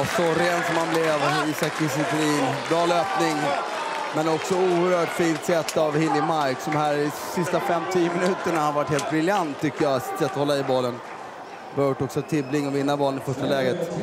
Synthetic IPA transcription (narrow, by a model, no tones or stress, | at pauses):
sɔɾeːnsɔmhanblɛvisakʰɪsɪt̪ɾiːnbɾɑːløːpnɪŋ | mɛnɔksɔuːəɾhœːʈfiːnt̪sɛt̪ːavhɪlːɪmaɾksd̪ɔmhæːɾsɪst̪afɛmt̪ʰiːəmɪnʉ̟ːt̪əɳahanvaʈheːlt̪̚bɾɪljant̪ʰːʏkːəjaasɪ̥t̪sɛt̪ːɔhɔlːaɪbɑːlːən | vajʊʈːɔksɔt̪ʰɪblɪŋːɔvɪnːabɑːlənɪfœʂʈalɛːɡət̪